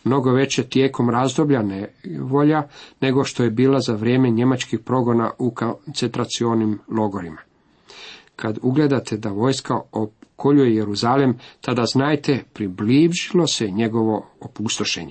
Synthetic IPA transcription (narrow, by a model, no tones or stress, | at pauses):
mno̞ɡo̞ʋe̞t͡ɕe̞t̪je̞ːko̞mɾazd̪o̞bʎaneʋo̞ʎane̞ɡo̞ʃt̪o̞je̞biːlazaʋɾje̞ːme̞ɲe̞mat͡ʃkixpɾo̞ɡo̞na̰ukont̪se̞nt̪ɾat̪sio̞nimlˠo̞ɡo̞ɾima | kʰad̪uɡle̞d̪at̪ʰe̞d̪aʋo̞ːjskaokʰoʎujejeɾuzalemt̪ad̪aznaːjt̪epɾibliːʒilo̞se̞ɲe̞ɡo̞ʋo̞opust̪o̞ʃe̞̰ɲe